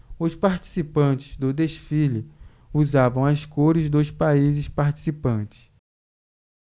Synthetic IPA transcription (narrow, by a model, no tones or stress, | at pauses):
ʊspaɾt͡ʃi̥sipɐ̃t͡ʃɪ̥zd̪ʊd̪esfilʊ | uzavɐ̃w̃ɐskoɾɪzd̪ʊspaizɪspaɾt͡ʃi̥sipɐ̃t͡ʃɪ̥s